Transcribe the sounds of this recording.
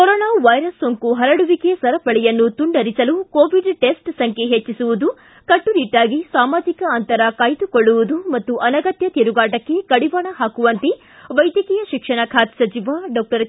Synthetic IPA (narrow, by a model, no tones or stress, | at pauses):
kɔɾɔːnaːʋɐjɾɐsːoŋkuɦɐɾɐɽuʋikesɐɾɐpɐɭɛjɐnːut̪uɳɖɐɾisɐlukoːʋiɖʈesʈsɐŋkʰeɦet͡ʃːisuʋud̪u | kɐʈːuɾiʈːaːɡisaːmaːd͡ʒikɐɐnt̪ɐɾɐkaːjt̪ukoɭːuʋud̪umɐt̪ːuʔɐnɐɡɐt̪jɐt̪iɾuɡaːʈɐkːe̞kɐɽiʋaːɳɐɦaːkuʋɐnt̪i | ʋɐjd̪jɐkiːjɐʃikʂɐɳɐkʰaːt̪sɐt͡ʃiʋaɖɔːk̚ʈɐɾ